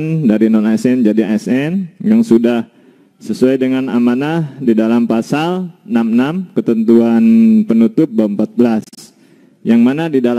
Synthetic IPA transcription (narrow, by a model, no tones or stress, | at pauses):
ndaɾinɔnaɛsɛnd͡ʒadiaɛsɛnjaŋsudah | səsuajdəŋanamanadidalampasalnamnamkət̪ənt̪uanpənut̪ʊp̚baəmpat̪̚bəlas | jaŋmanadidal